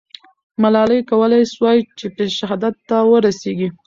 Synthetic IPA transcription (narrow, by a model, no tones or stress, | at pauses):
malɑləjkawəlajswɑjt͡ʃepeʃɦɑd̪at̪ːawəɾaseɡi